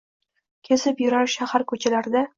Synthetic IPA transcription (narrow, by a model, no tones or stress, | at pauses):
kʲʰezɪpjʊɾaɾʃahaɾkʰɵt͡ʃʰalaɾd̪a